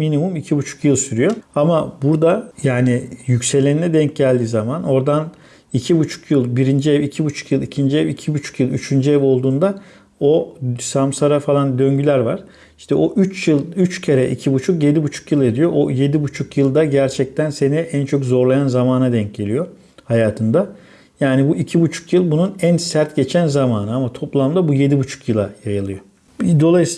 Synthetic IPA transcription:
minimumicʰibut͡ʃʰu̥kjɯlˠsyɾyjo̞amabuɾd̪ajaːnɪjycse̞lʲeninɛd̪ɛɲcɟælʲd̪iːzamano̞ɾd̪an | icʰibut͡ʃʰu̥kjɯlˠbiɾind͡ʒiɛvicʰibut͡ʃʰu̥kjɯlˠicʰind͡ʒiɛvicʰibut͡ʃʰu̥kjɯlˠyt͡ʃʰynd͡ʒiɛvo̞lˠd̪uːnd̪a | o̞samsaɾafalˠand̪ø̞ɲɟylʲæɾvaɾ̥ | iʃt̪ʰɛʔo̞ʔyt͡ʃjɯlˠyt͡ʃcʰeɾɛʔicʰibut͡ʃʰukje̞d̪ibut͡ʃʰu̥kjɯlˠe̞d̪ijo̞ʔoje̞d̪ibut͡ʃʰukjɯlˠd̪aɟæɾt͡ʃʰɛc̚t̪ʰænse̞niʔænt͡ʃʰokzo̞ɾlˠajanzamaːnad̪ɛɲc̚ɟe̞lʲijo̞ | hajaːt̪ʰɯnd̪a | jaːnibuʔicʰibut͡ʃʰu̥kjɯlˠbununænsæɾt̪ɟe̞t͡ʃʰænzamaːnɯamat̪ʰo̞plˠamd̪abuje̞d̪ibut͡ʃʰu̥kjɯlˠajajɯlˠɯjo | d̪o̞lˠajɯs

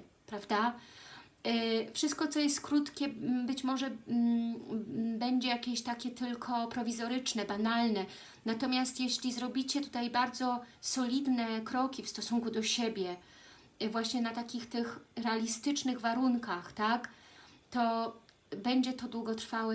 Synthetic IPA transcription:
pɾavd̪a | fʂɘst̪̚kɔt̪sɔjɛst̪kɾut̪kʲɛbɘt͡ɕmɔʐɛ | bɛɲd͡ʑɛjakʲeɕt̪akʲɛt̪ɘlkʰɔpɾɔvʲizɔɾɘt͡ʂnɛbanalnɛ | nat̪ɔmʲjast̪jeɕlʲizɾɔbʲit͡ɕɛt̪u̥t̪ajbaɾd̪zɔsɔlʲid̪nɛkɾɔkʲifst̪ɔsuŋkud̪ɔɕebʲjɛ | vwaɕɲɛnat̪akʲixt̪ɘxɾɛalʲist̪ɘt͡ʂnɘɣvaɾuŋkaxt̪akt̪ɔ | bɛɲd͡ʑɛt̪ɔd̪wuɡɔt̪ɾfawɛ

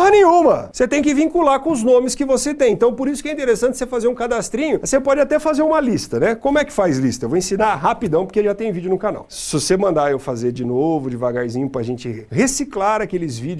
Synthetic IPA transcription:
ɐnẽj̃ɲũmɐset̪ẽj̃k̬ɪvĩŋkulaɾkõʊznõmɪskɪvoset̪ẽj̃ẽt̪t̪ɐ̃w̃poɾisʊ̥kɪɛĩt̪eɾesɐ̃t͡ʃɪ̥sefazeɾũkad̪ast̪ɾĩɲʊsepɔd͡ʒɪat̪ɛfazeɾũmɐlist̪ɐnɛkõmʊɛkɪ̥fajzlist̪ɐewvoẽsĩnaɦapid̪ɐ̃w̃poɾkeʒat̪ẽj̃ũvid͡ʒʊnʊkana̰wssvosemɐ̃nd̪aewfazeɾd͡ʒɪnovʊd͡ʒɪvaɡaɾzĩɲʊpɾɐaʒẽnt͡ʃɪhesiklaɾakelɪzvid͡ʒ

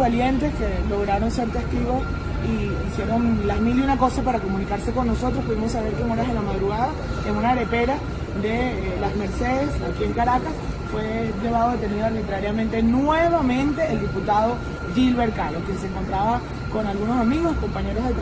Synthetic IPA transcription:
alje̞nt̪e̞ske̞lo̞ɣ̞ɾaɾo̞nseɾt̪eskɾiβo | i | isje̞ɾo̞ŋlazmiliunako̞sapaɾako̞mũnikaɾse̞ko̞nːo̞so̞t̪ɾohpuðimo̞saβ̞e̞ɾkeŋoɾaɦðelamaðɾuɣaðaeŋunaɾe̞pe̞ɾa | d̪e̞ | lazme̞ɾseðe̞sakieŋkaɾakas | fwe̞ʝe̞βaðo̞ðe̞t̪eniðoaɾβit̪ɾaɾjamẽnt̪e̞nwe̞βamẽ̞nt̪e̞ːld̪iput̪aðo̞ | dilβe̞ɾkalokje̞ns̬eŋko̞nt̪ɾaβa | ko̞nalɣuno̞samiɣo̞sko̞mpaɲe̞ɾozðep

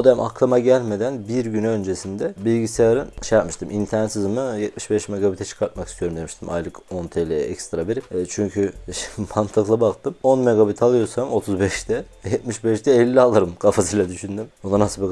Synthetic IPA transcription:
od̪ama̰klˠamaɟælʲme̞d̪ænbiɾɟynø̞nd͡ʒe̞sind̪ɛbilʲɟisejaɾɯnʃejatp̚mɯʃt̪ʰɯmʔint̪ʰɛnt̪sizmɯjɛt̪̚miʃbɛʃmeɡabit̪ʰɛt͡ʃʰɯ̥kʰaɾt̪̚makʰi̥st̪ʰyjo̞ɾumd̪emiʃt̪ʰimʔa̰jlˠɯko̞nt̪ʰelʲiɛcst̪ɾabeɾit͡ʃʰyɲcʰymant̪ʰaklˠabakt̪ʰɯmo̞nmeɡabit̪ʰalˠɯjo̞samo̞t̪ʰuzbɛʃd̪ɛ | jɛt̪̚miʃbɛʃd̪ɛːlʲːialˠɯɾɯmkʰafasɯjlʲɛd̪yʃynd̪ymonanasɯbi

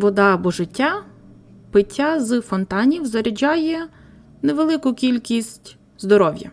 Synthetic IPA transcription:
ʋɔd̪ɑːbɔʒɪtʲːa | pɪtʲːazɨfɔnt̪ɑnʲiwzɐɾʲɪd͡ʒajɛ | neʋelˠɪkʊkʲilʲkʲisʲtʲ | zd̪ɔɾɔwʲjɐ̰

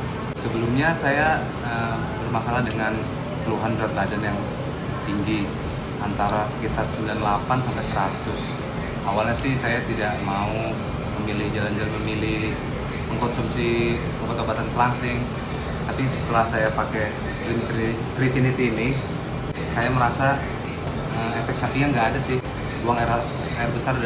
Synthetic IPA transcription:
səbəlumɲasaja | ə | bərmasalahdəŋan | pəluɦanbɾat̪̚badanjaŋ | t̪iŋɡi | ʔant̪aɾasə̥kit̪arsəmbilanlapansampajsəɾat̪ʊs | awalɲasɪhsajat̪idaʔmau | pəmilɪhd͡ʒaland͡ʒalanpəmilɪh | pəŋkɔnsumsi | kobat̪obat̪ant̪əlaŋsɪŋ | t̪apisə̥t̪əlahsajapakɛ | st̪ɾimt̪i | t̪ɾifinit̪inɪ | sajaməɾasa | əmɛfɛk̚sapijaŋɡaːdasɪh | luaŋaɪr | aɪrbəsar

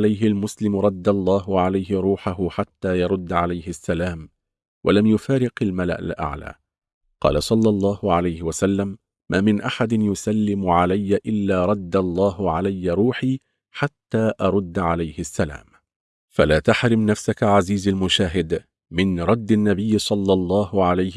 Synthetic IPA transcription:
lajɦɪlmʊslɪmɾˤɑd̪ːalˤːɑːɦʊʕalajɦɪɾˤuːħaɦʊħat̪ːaːjɑɾˤʊd̪ːʕalajhɪsːalaːm | wʔa̰lamjʊfaːɾɪqalmala̰ʔa̰lʔa̰ʕla̰ː | qɑ̰ːlasˤɑlːɑlˤːɑːhʊʕalajhɪwasalːamː | ʔaːmɪnʔaħad̪ɪnjʊsalːɪmʊʕalajːaʔɪlːaːɾˤɑd̪ːalˤːɑːɦʕalajːaɾˤuːħiː | ħat̪ːaːʔɑɾˤʊd̪ːʕalajhɪsːala̰ːm | falaːt̪aħɾɪmnafsakaʕaziːzalmʊʃaːɦɪd̪ | mɪnɾˤɑd̪ːanːabɪjːsˤɑlːɑlˤːɑːhʊʕalaj

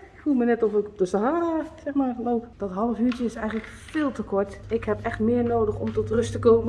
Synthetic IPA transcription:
ɪkfulˠmənɛtɔfɪkɔp̚dəsaɦaːrasɛxmaloːpd̥ɔtɦɑlˠəfyːt͡ʃəɪsɛjɣŋətlək | fɪːlˠtəkɔɹtɪkhɛpɛxtmɪːrnoːdəxɔmtɔtrøstəkoːmə

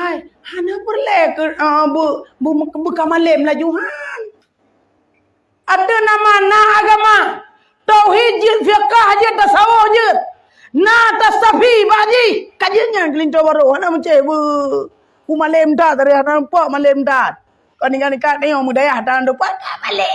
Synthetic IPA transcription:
ajhanapərlɛhkəəbəbmbəkamalemlad͡ʒuɦan | ʔatənamanaːɡama | t̪aɦid͡ʒit̪̚fiakahd͡ʒət̪ːasaɔhd͡ʒət̪̚ | nat̪asapibaʔd͡ʒikad͡ʒəʔɲank̬əlintɔbaɾohanamət͡ʃebə | bumalemdat̪aɾianapɔʔmalɛmtat̪̚ | kɔniɡanikat̪̚najɔmədajahtandəpat̚kamalɛ

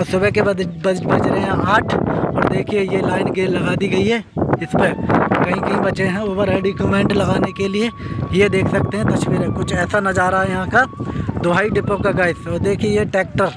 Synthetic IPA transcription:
ɔɾsʊbɛkebbɐd͡ʒɾeɦɛ̃aːʈʰɔːɾd̪eːkʰiejelaːɪnɡelɐɡaːd̪iɡɐiɦɛːɪspekɐɦĩkɐɦĩbɐt͡ʃeɦɛ̃oːbəɾɦeɖikumẽːɳʈlɐɡaːnekeliejed̪eːkʰsɐk̚t̪eɦɛ̃t̪ɐʃʋiːɾɛ̃kʊt͡ʃʰɛːsanɐd͡ʒaːɾaɦaɛjɐɦãkad̪ʊɦaːiɖɪpokaɡaːɪsɔːɾd̪eːkʰiejeʈɛːk̚ʈəɾ

